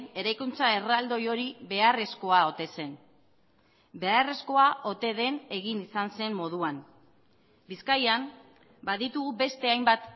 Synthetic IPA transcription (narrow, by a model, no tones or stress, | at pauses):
ne̞ɾajkunt͡sae̞rald̪o̞jo̞ɾiβe̞are̞sko̞ao̞t̪e̞se̞n | be̞are̞sko̞aʔo̞t̪e̞ðe̞ne̞ɣinisanse̞mːo̞ð̞uan | biskajam | baðit̪uɣube̞st̪e̞ajmbat̪